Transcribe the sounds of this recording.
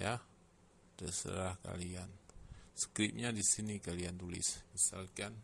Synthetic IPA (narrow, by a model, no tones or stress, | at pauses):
ja | dəsə̰ɾahka̰liansə̥kɾɪp̚ɲadisinikaliant̪ulɪ̰smisalkan